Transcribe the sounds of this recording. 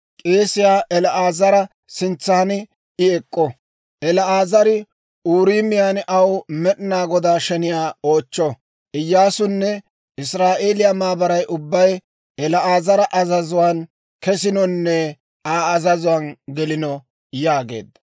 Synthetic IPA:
kʼeːsɪjaːʔɛlɐʔaːzɐɾɐ | sɪnt͡sːanɪ | ɪɛkʼːɔ | ʔɛlɐaːzɐɾɪ | uːɾiːmɪjaːnʔɐwmɛɗɪnaːɡɔd̪aːʃɛnɪjaːo̞ːt͡ʃːɔ | ʔɪjːaːsʊnːɛ | ɪsɾaːʔe̞ːlɪjamaːbɐɾɐjʔʊbːɐj | ɛlɐʔaːzɐɾɐʔɐzɐzʊwaːn | kɛsɪnɔnːɛ | aːɐzɐzʊwaːnɡɛlɪnɔ | jaːɡḛːd̪ɐ

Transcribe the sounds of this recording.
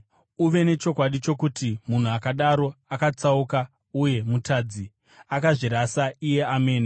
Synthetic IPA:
uʋe̞ne̞t͡ʃo̞kwaɗit͡ʃo̞kutimun̤uakaɗaɾo̞akat͡sauka | uje̞mutʰaːd͡zi | akaʐiɾasaije̞ame̞ːni

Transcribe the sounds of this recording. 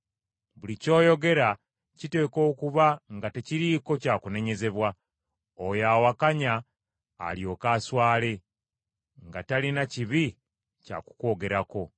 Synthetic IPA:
βulico̞ːjo̞ɡe̞ɾa | cite̞ːko̞ːkuβaŋɡateciɾiːko̞caːkune̞ɲe̞ze̞βwa | ojaːwakaɲa̰ː | ljo̞ːkaːswaːle̞ | ŋɡatalinaciβi | ca̰ku̥ko̞ːɡe̞ɾako̞

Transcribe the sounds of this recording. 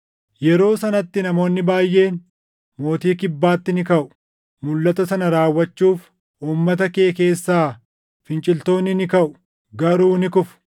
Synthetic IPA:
jɛɾo̞ːsɐnɐt̪ːɪnɐmo̞ːnːɪbaːjːe̞ːn | mo̞ːt̪iːkɪbːaːt̪ːɪnɪkɐʔʊ̥ | mʊlːɐt̪ɐsɐnɐɾaːwːɐt͡ʃːuːf | ʔuːmːɐt̪ɐke̞ːke̞ːsːaː | fɪnt͡ʃʼɪlt̪o̞ːnːɪnɪkɐʔʊ̥ | ɡɐɾuːnɪkʊfʊ̥

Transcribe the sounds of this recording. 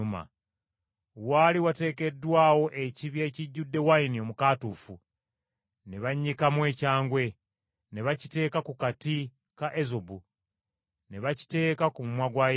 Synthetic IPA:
uma̰ | waliwate̞ːke̞dːwaːwo̞ʔe̞ciβje̞ːciɟːudːe̞wainio̞mukaːtuːfu | ne̞βaɲːikamwe̞ːcaːŋɡwe̞ | ne̞βaci̥te̞ːkakukati | kaʔezobu | ne̞βaci̥te̞ːkakumumwaɡwaj

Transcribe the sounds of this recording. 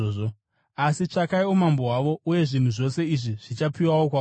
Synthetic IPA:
oo | asit͡ʂakaiumambo̞waʋo̞uje̞ʐin̤uʐo̞se̞iʐiʐ̥it͡ʃapiwawokwa

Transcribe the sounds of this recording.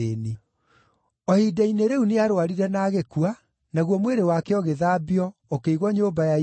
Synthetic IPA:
eni | ɔhidaineɾeuneaɾoaɾiɾɛnaːɣekua | naɣwɔmweɾewakɛɔɣeðabiɔokeiɣwɔɲoːbaja

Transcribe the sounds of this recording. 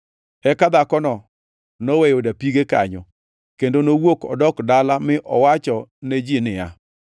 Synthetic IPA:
ɛkad̪akɔnɔ | nɔwejodapiɡeka̰ɲɔ | kendonowokɔ̰dɔkdalamɪʔɔwat͡ʃɔned͡ʒinɪja̰

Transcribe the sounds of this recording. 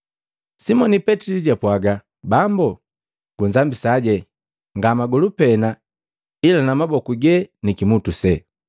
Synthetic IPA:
simɔnipɛtiliɟapwaɡa | bambɔ | ɡ̥uzambisaɟɛ | ŋɡamaɡɔlupɛna | ilanamabɔkuɡɛnikimutusɛ

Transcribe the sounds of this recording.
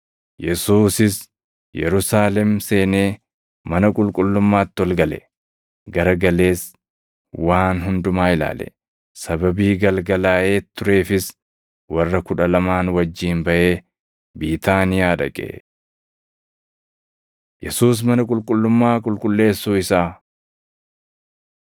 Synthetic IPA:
jɛsuːsɪs | jɛ̰ɾʊsaːlɛmse̞ːne̞ː | mɐnɐkʼʊlkʼʊlːʊmːaːt̪ːɪɔlɡɐlɛ̰ | ɡɐɾɐɡɐle̞ːs | waːnɦʊnd̪ʊmaːɪla̰ːlɛ̰ | sɐbɐbiːɡɐlɡɐlaːʔe̞ːt̪ːʊɾe̞ːfɪs | wɐrːɐkʊᶑɐlɐmaːnwɐd͡ʒːiːnbɐʔe̞ː | biːt̪aːnɪjaːᶑɐ̰kʼḛː | jɛsuːs̬mɐnɐkʼʊlkʼʊlːʊmːaːkʼʊlkʼʊlːe̞ːsːuːɪsaː

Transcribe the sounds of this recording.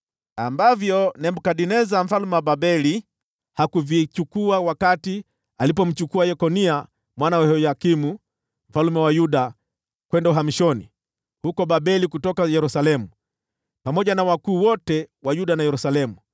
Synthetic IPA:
ambavjɔnɛm̩kaɗinɛzam̩falumɛwaɓabɛli | hakuvit͡ʃukuawakati | alip̬ɔm̩t͡ʃukuajɛkɔnia | mwanawɛhɔjakimu | m̩falumɛwajuɗa | kwɛndauɦamiʃɔni | hukɔɓaɓɛlikutɔkajɛɾusalɛmu | pamɔʄanawakuːwɔtɛwajuɗanajɛɾusalɛmu

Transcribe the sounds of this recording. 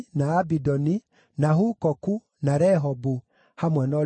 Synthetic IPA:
naːbidɔni | naɦukɔku | naɾɛɦɔbu | hamwɛnɔ

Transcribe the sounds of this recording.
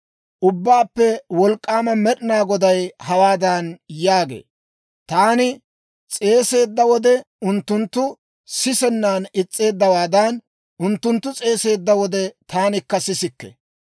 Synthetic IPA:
ʔʊbːaːpːɛwɔlkʼːaːmɐmɛɗɪnaːɡɔd̪ɐjhɐwaːd̪ɐnjaːɡḛː | t̪aːnɪ | t͡sʼe̞ːse̞ːd̪ːɐwɔd̪ɛ | ʊnt̪ːʊnt̪ːʊ | sɪsɛnːaːnɪt͡sʼːe̞ːd̪ːɐwaːd̪ɐn | ʊnt̪ːʊnt̪ːʊt͡sʼe̞ːse̞ːd̪ːɐwɔd̪ɛt̪aːnɪkːɐsɪsɪkːɛ̰

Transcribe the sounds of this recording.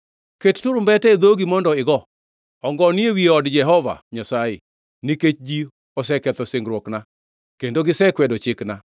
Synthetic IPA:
kettʊɾʊmbɛtɛd̪oɡimɔndɔɪɡɔ | ɔŋɡɔniewieɔdd͡ʒɛɦɔva̰ɲasajḛ | niket͡ʃd͡ʒi | ɔsɛkɛt̪ɔseŋɡɾwɔkna | kendoɡɪsɛkwɛdɔt͡ʃɪkna

